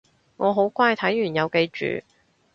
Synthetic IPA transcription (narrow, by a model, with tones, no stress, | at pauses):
ŋɔː˨˧ɦo˨˥wkʷaː˥˩jt̪ʰɐ˨˥jɥyː˨˩njɐ˨˧wke˧jt͡ʃy̰ː˨˧